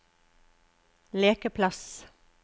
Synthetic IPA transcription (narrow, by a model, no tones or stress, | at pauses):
leːkəpʰlɑs